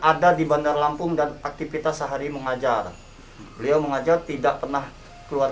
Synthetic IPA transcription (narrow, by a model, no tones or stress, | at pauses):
ʔadadibandarlampʊŋdanak̚t̪ifit̪asːəɦaɾiməŋad͡ʒar | bəliawməŋad͡ʒart̪idaʔpərnah | kəluar